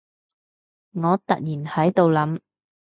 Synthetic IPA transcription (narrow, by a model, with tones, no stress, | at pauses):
ŋɔː˨˧t̪ɐ̰˨k̚jiː˨˩nhɐ˨˥jt̪o˨˧wlɐ˨˥m